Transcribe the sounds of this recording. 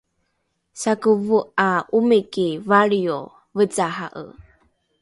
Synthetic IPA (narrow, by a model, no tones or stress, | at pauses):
sakəvuʔaʔumekivaɭio | vət͡saɦaʔə̰